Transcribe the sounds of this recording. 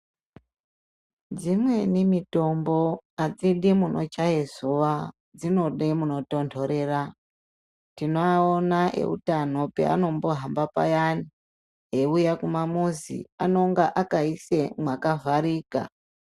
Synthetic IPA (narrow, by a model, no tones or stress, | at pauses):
d͡zimwe̞nimito̞mbo̞ad͡ziɗimunʔo̞̰t͡ʃajezuʋa | d͡zino̞ɗemuno̞to̞ntʰo̞ɾe̞ːra | tinoaonaʔḛṵtano̞pe̞̰a̰no̞mbo̞ɦambapa̰jani | ɦeujakumamuzḭano̞ŋɡaʔakaise̞mwakavaɾiːka̰